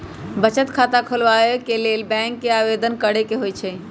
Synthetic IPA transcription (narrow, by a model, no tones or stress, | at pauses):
bət͡ʃət̪kʰat̪akʰolʋaekelelbɛ̃ŋkːeaʋed̪ʱənkəɽekeɦojt͡ʃʰɛ